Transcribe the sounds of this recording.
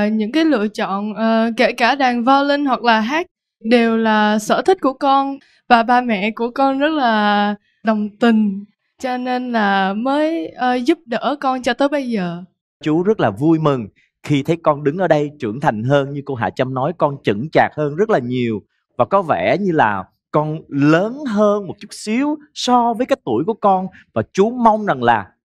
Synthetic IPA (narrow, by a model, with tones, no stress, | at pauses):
ɲɨ̰˧˥ŋkaː˨˦jlɨ̰˧˨ət͡ɕɔ̰˧˨nʔəː˨˩ke˧˩kaː˧˩ɗaː˨˩ŋvaː˧wlï˧ŋ̟hwa˨˩k̚laː˨˩ɦaː˦˥k̚ | ɗe˨˩wlaː˨˩sə̰ː˧˩t̪ʰi̟˦˥ku˧˩əkɔ˧n | vaː˨˩ɓaː˧mɛ̰˧˨ku˧˩əkɔ˧nzə˦˥t̚laː˨˩ | ɗə˨˩wŋ͡mt̪ï˨˩ŋ̟ | t͡ɕɔ˧ne˧nlaː˨˩məː˨˦jʔə˨˩zu˦˥p̚ɗə̰ː˧˩kɔ˧nt͡ɕɔ˧t̪əː˨˦jɓə˧jzəː˨˩ | t͡ɕu˨˦zə˦˥t̚laː˨˩vu˧jmɨ˨˩ŋ | xi˧t̪ʰə˨˦jkɔ˧nɗɨ˨˦ŋʔəː˧˩ɗə˧jt͡ɕɨ̰˧˩əŋt̪ʰa˨˩jŋ̟ɦəː˧nɲɨ˧ko˧ɦa̰ː˧˩t͡ɕa˧mnɔ˨˦jkɔ˧nt͡ɕɨ̰˧˩ŋt͡ɕaː˨˩k̚həː˧nzə˦˥t̚laː˨˩ɲi˨˩əw | vaː˨˩kɔ˨˦vɛ̰˧˩ɲɨ˧laː˨˩ | kɔ˧nləː˨˦nɦəː˧nmo˨˩t̚t͡ɕu˦˥t̚si˨˦əwsɔ˧vəː˨˦kaː˨˦jt̪ṵ˧˩əjku˧˩əkɔ˧n | vaː˨˩t͡ɕu˨˦ma˧wŋ͡mza˨˩ŋlaː˨˩